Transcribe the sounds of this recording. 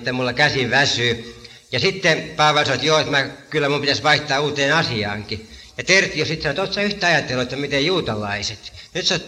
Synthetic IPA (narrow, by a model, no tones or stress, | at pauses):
t̪ːæmmulːɑkæsiʋæsyː | jɑsit̪ːepɑːʋɑlʲisɑoɑt̪joːet̪mækylːæmumpit̪æsʋɑiht̪ɑːuːt̪eːnɑsiɑ̰ːŋkijɑt̪ert̪iosit̪sɑnot̪ot̪sɑyht̪ˑæɑjɑt̪ːˑelːoet̪ːæmit̪ejjuːt̪ɑlɑiset̪nyt̪so